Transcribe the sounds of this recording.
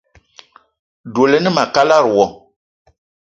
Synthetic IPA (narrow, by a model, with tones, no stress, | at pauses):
do˨le˦nɨ˦ma˨ka˦la˦ɾu˨wɔ˨